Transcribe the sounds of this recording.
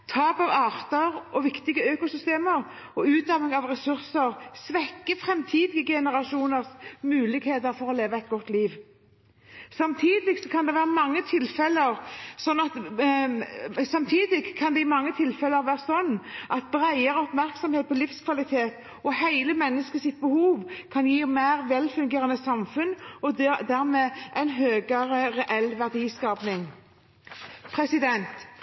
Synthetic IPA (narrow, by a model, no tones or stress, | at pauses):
t̪ʰɑːpɑʋɑːʁt̪əɾɔʋɪkt̪ɪɡəøːkʊsʏst̪eːməʁ | ɔʉːt̪̚d̪ɑʋnɪŋɑʋʁɛsʉɾsəʁsʋɛkːəfʁɛmt̪ʰiːd̪ɪɡəɡɛnəʁɑʂuːnəʁsmʉːlɪɡheːt̪əɾfɔɾɔleːʋəɛt̪̚ɡɔt̪ːliːʋ | sɑmt̪ʰiːd̪ɪɡsɔkʰɑnd̪ɛʋæːʁəmɑŋːət̪ʰɪlfɛləɾsɔnːɑt̪ | sɑmt̪ʰiːd̪ɪɡʰɑnd̪ɛɪmɑŋːət̪ʰɪlfɛləɾʋæːʁsɔnːʔɑt̪̚bɾæɪəɾəɔpmæɾksɔmheːt̪̚pʰɔlɪfskʰʋɑlɪt̪ʰeːt̪ | ʔɔhæɪləmɛnːəskəsɪt̪̚bəhuːʋkʰɑnjiːmæɪʁʋɛlfʉŋɡeːɾɑnəsɑmfʉnɔd̪æʁmeːʔæɪnɦøːɡəɾəɾɛʔɛlʋæʁd̪iːskɑːpnɪŋ | pʰʁɛsɪd̪ɛnt̪